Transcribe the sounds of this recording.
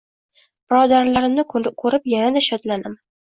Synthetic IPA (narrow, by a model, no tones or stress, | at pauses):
b̥ɪɾɒd̪aɾlaɾɪmnɪkʰɵɾɪpjanad̪aʃɒd̪lanɪm